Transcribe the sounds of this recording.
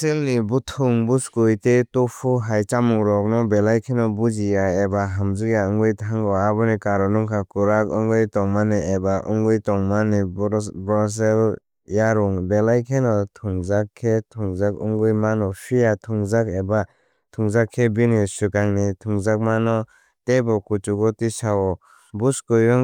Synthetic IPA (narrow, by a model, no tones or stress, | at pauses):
selnibutʰuŋbuskujtetɔpʰuɦajt͡ʃamuŋɾɔk̚nɔbelajkʰenɔbud͡ʒijaebaɦamzɯkjaɯŋɡɯjtʰaŋɡɔabɯnikaɾɔnuŋkʰakuɾakɯŋɡɯjtɔŋmaniebaʔɯ̰ŋɡɯjtɔŋmanibɾɔs̬ɛl | jaɾuŋbelajkʰenɔtʰuŋzakʰːetʰuŋzak̚ɯ̰ŋɡɯjmanɔpʰijatʰuŋzakeba | tʰuŋzakʰːebinisɯkaŋnitʰuŋzak̚manɔ | tebɔkut͡ʃuɡɔtisawɔ | buskɯjɔŋ